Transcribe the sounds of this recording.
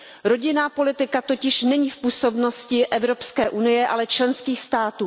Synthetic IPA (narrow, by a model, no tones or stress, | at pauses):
ɾo̞ɟɪnaːpo̞lɪt̪ɪkat̪o̞cɪʃnɛɲiːfpuːso̞bno̞scɪʔɛvɾo̞pskɛːʔunɪjɛʔalɛt͡ʃlɛnskiːxst̪aːt̪uː